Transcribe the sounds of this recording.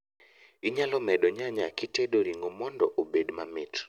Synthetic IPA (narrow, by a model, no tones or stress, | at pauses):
iɲalɔmɛɗɔɲaɲakiteɗoɾiŋɡomɔndɔ̰ʔobedmamɪt